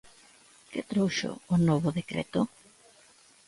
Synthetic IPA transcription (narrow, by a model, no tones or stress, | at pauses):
kɪt̪ɾowʃʊ̰ːnoβʊðekɾḛt̪ʊ